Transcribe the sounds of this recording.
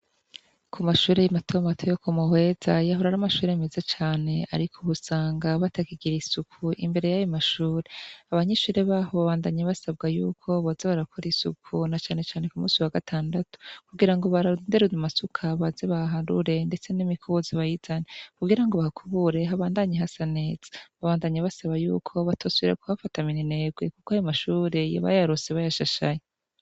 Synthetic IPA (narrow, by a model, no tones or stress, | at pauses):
kʰumaʃuːɾejimatʰomatʰojokumuhwe̞z̥ajaɦoɾaɾamaʃuːɾeemezat͡ʃaːne̞a̰ɾikʰoβusaːŋɡaβatakiɡiɾisukʰuʔḭmbe̞ɾe̞jajomaʃuːɾe̞aβaɲeʃuːɾe̞βaːɦo̞βaβaːndaɲeβasabɡajṵːkʰo̞βozeβaɾakʰoɾisukʰunat͡ʃaːne̞t͡ʃaːnekumṵːsiwaɡatʰaːndatu̥kuɡiɾaŋɡo̞βaɾandeɾuzumasukʰaβazeβaɦaɾṵɾe̞nde̞t͡se̞nimikʰoziβajizanekuɡiɾaŋɡoβahakʰuβuɾe̞ɦaβaːndaɲeɦasane̞ːz̥ḁβaβaːndaɲaβasaβajṵːkʰo̞βatʰosiɾekohafataminine̞ːɡwekukoajomaʃuːɾe̞ja̰βa̰jaɾuseβajaʃaʃa̰je